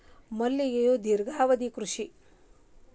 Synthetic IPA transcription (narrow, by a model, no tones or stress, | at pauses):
mɐlːijejod̪iɾɡaːʋɐd̪ikɾuʂi